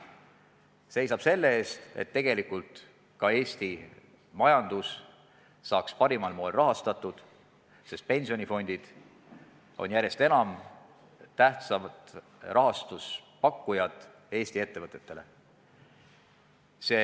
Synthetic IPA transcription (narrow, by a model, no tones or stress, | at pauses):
se̞jsɑb̥se̞lːe̞e̞ːst̪e̞̰t̪ːe̞ɡ̥e̞likult̪ˑ | kɑe̞ːsʲt̪i | mɑjɑnd̪̥us | sɑːkspɑɾimɑlmoːelrɑɦɑst̪ɑt̪ːˑud̪̥ | se̞st̪̚pe̞nʲsio̞nʲifo̞nʲd̪̥id̪̥ | o̞̰njæɾje̞st̪e̞nɑm | t̪æht̪sɑmɑt̪ | rʔɑɦɑst̪uspɑkːujɑt̪ˑ | e̞ːsʲt̪ie̞t̪ːe̞vɤt̪ːˑe̞t̪ːe̞le̞ | se̞ː